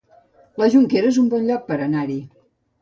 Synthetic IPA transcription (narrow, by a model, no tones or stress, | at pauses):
ləʒuŋkeɾəezumbɔnʎɔk̚pəɾənaɾi